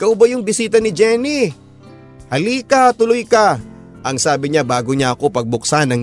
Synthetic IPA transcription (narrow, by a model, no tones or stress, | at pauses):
kɐʊbajʊŋbɪsiːt̪ɐnɪd͡ʒɛːni | hɐliːkat̪ʊlojkɐ | ʔɐŋsaːbɪɲabaːɡoɲaɐko̞pɐɡ̚bʊk̚sanɐŋ